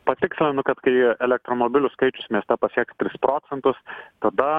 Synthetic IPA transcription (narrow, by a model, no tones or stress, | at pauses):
pɐt̪ʲɪksʲlʲɪnʊkɐt̪kɐɪɛlʲɛk̚t̪ɾoːmoːbʲɪlʲʊskɐɪt͡ʃʲʊsmʲiɛst̪ɛpɐsʲiɛkt̪ʲɾʲɪspɾoːt͡ssʲɛnt̪ʊst̪ɐd̪ɐ